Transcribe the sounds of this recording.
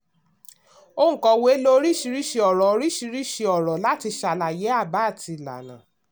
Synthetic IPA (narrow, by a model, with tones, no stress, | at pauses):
o˦ŋ̩̃˨kɔ˧we˦lo˦ɾi˦ʃi˧ɾi˦ʃe˧ɔ˨ɾɔ˨o˧ɾi˦ʃi˧ɾi˦ʃi˧ɔ˨ɾɔ˨la˦ti˧ʃa˧la˨je˨˦a˦˨ba˨˦˨ti˧˨la̰˨nã̰˨